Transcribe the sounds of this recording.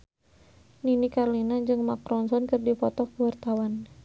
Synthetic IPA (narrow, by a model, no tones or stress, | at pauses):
ninikarlinad͡ʒɨŋmakɾɔnsɔnkɨrdipɔt̪ɔk̚pəwart̪awan